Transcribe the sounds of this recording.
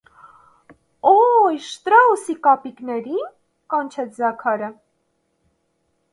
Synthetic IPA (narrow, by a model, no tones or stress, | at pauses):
ɔjʃt̪ɾɑusikɑpiknɛɾin | kɑnt͡ʃʰɛt͡sʰzɑkʰɑɾə